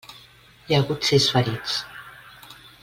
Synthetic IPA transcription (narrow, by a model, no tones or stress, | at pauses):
jaɣut̪sisfəɾit͡s